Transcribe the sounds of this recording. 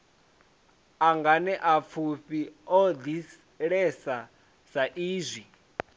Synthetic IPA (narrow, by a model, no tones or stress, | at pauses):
aŋɡanɛʔap̪fʰuɸiɔd̪i | ɺɛsa | saʔiːzʷi